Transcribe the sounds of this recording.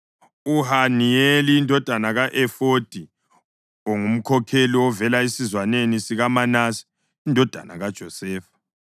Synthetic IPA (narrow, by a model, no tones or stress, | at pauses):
uhanieliːndʱɔd̥ʱanaɣaʔɛfod̥ʱi | oŋum̩kʰɔkʰeliwɔvɛlaesizwanenisiɣamanasi̥ | indʱɔd̥ʱa̰na̰ɣad̥ʒ̥ʱɔsɛːfḁ